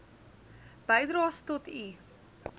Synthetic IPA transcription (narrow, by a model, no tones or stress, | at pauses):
b̥əjdɾɑːstɔtʰi